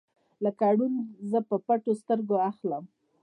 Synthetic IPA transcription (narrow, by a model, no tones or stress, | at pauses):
lakaɽunzəpəpaʈost̪əɾɡoaxləm